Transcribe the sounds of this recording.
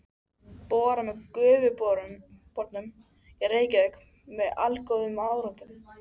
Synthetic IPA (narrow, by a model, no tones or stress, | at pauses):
pɔːɾamɛkʏːvʏpɔɾpɔɾt̪nʏm | jɛɾeːjcɪðɛk | mɛða̰lkowðʏmaːwɾɔnt̪ʏm